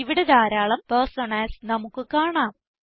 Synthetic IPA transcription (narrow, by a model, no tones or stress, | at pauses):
iʋiɽe̞d̪aːɾaːɭɐmpersonaːlsnɐmukːɨkaːɳaːm